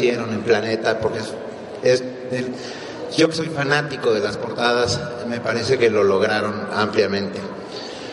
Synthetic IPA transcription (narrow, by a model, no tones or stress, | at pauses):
je̞ɾo̞ne̞mplane̞t̪apo̞ɾkees | es | el | ʝo̞ke̞so̞jfanat̪iko̞ðe̞laspo̞ɾt̪að̞as | me̞paɾe̞se̞ke̞lo̞lo̞ɣ̞ɾaɾo̞nampljamẽ̞nt̪e̞